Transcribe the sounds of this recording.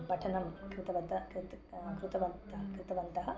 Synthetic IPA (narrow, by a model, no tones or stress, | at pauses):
pɐʈʰɐnɐmkɾɪt̪ɐʋɐt̪ɐkɾt̪kɾut̪ɐʋɐnt̪ɐɦɐkɾɪt̪ɐʋɐnt̪ɐɦɐ̆